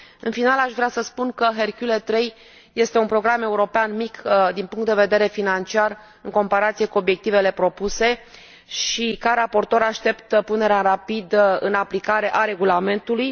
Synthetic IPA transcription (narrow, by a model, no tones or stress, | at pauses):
ɨnfinalaʃvɾeasəspunkəɦerkʲjulet̪ɾe̞j | je̞st̪e̞unpɾo̞ɡɾame̞uɾo̞peanmikd̪inpuŋkt̪d̪eve̞d̪e̞ɾe̞finant͡ʃiar | ɨŋko̞mpaɾat̪sije̞kuo̞bjek̚t̪ive̞le̞pɾo̞puse̞ | ʃikaɾapo̞rt̪o̞ɾaʃt̪e̞pt̪pune̞ɾeaɾapid̪ɨnaplikaɾe̞ʔaɾe̞ɡulame̞nt̪uluj